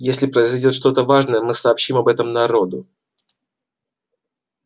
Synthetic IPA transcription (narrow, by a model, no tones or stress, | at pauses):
jesʲlʲɪpɾəɪzɐjdʲo̞t̪ʂt̪o̞t̪əvaʐnəjəmɨsɐːpɕːimɐbɛt̪əmnɐɾo̞d̪ʊ